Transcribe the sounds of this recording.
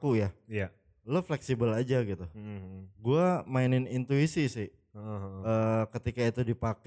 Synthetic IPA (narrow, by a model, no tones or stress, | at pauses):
kujaja | ləflɛksibəlad͡ʒaɡit̪u | ɡuamaɪnɪnint̪uisisɪ | əːkət̪ikait̪udipak